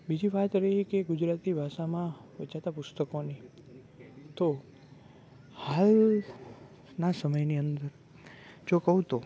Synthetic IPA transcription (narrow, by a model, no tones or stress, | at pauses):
bid͡ʒiʋat̪ɾəɦikeɡʊd͡ʒɾat̪ibʱaʃamãʋət͡ʃat̪apʊst̪əkoni | t̪o | hal | nasəməjniənd̪əɾ | d͡ʒokəɦũt̪o